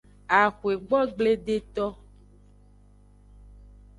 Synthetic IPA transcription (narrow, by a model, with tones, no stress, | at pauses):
a˨xwe˨ɡ͡bɔ˦ɡ͡ble˦ɖe˦t̪ɔ˦